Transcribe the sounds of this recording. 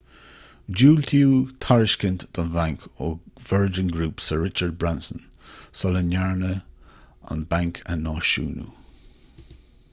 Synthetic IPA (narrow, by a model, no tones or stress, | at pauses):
d͡ʒuːlt̪ʰiuːt̪ʰaɹɪʃkɪntd̪̥ɔnvaŋkʰoːv̥ɛɹd͡ʒənɡɾuːpsəɹɪt͡ʃəɹd̚bɹansən | sɔlənaɹnə | a̰nbaŋkʰə̰nɑːʃṵːnṵ